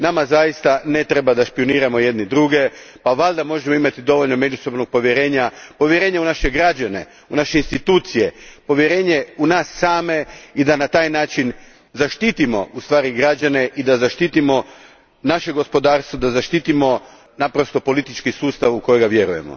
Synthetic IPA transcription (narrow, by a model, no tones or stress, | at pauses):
namazajist̪ane̞t̪ɾebad̪aʃpio̞niːɾamo̞je̞d̪nid̪ɾuɡe̞paʋaʎd̪amo̞ʒemoimat̪id̪o̞ʋo̞ʎno̞me̞d͡ʒuso̞bno̞ɡ̚po̞ʋje̞ɾe̞ːɲapo̞ʋje̞ɾe̞ːɲeunaʃe̞ɡɾad͡ʒane̞̰ | unaʃe̞inst̪it̪uːt̪sije̞po̞ʋjeɾe̞ːɲe̞unaːsːaːme̞id̪anat̪aːjnaːt͡ʃin | zaʃt̪it̪imo̞̰ʔust̪ʋaːɾiɡɾad͡ʒane̞ʔid̪azaʃt̪iːt̪imo̞ | naʃe̞ɡo̞spo̞d̪aːɾst̪ʋod̪azaʃt̪iːt̪imo̞ | napɾo̞st̪o̞po̞lit̪it͡ʃkisuːst̪aʋuko̞jeɡaʋje̞ɾuje̞̰mo̰